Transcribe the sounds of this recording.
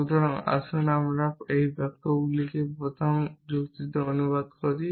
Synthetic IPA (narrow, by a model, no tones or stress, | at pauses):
ud̪ʱɔɾoŋa̰ʃonamɾaejbɛk̚t̪oɡulikepɾot̪ʰomd͡ʑukt̪it̪eonubad̪koɾi